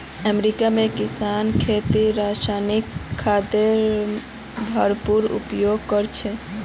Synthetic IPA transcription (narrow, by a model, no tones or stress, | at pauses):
əmɾikamekisankʰet̪iɾasanikʰːad̪eɾ | bʱəɾpuɾṵpjoɡ̚kəɾt͡ʃʰɛ